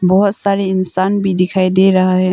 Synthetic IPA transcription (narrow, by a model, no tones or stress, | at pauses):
bɔɦʊt̪saːɾeɪnsaːnbʱid̪ɪkʰaːid̪eɾɐɦaɦɛː